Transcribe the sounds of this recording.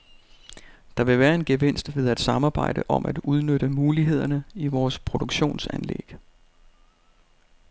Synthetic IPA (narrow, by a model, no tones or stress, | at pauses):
d̥ɑ̈ʋe̝ʋæːɐe̝nɡ̥e̝ʋen̰sd̥ʋe̝ð̞ˠæd̥sɑ̈mɑ̈ːb̥ɑ̈ɪ̰d̥əʔɒ̽mʔæd̥uð̞ˠnøɾ̥əmuːliɦe̝ð̞̰ˠɐnəiʋɒːspʰʁo̝d̥uɡ̥ɕo̝̰ːnsænlḛɡ̥